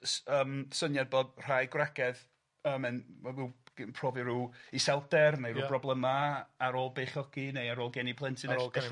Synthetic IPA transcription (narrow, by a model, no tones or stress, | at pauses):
əːmsənjad̚boːdr̥ajɡwaɡɛð | əːmɛnavɛwɡ̥pʰrɔːviɾuːisɛlˠdɛrnejɾuːbrɔblˠɛmaaɾoːlˠbeːχjɔɡ̥inejaɾoːlˠɡɛnipʰlˠɛntʰɪnɛ̥ɛ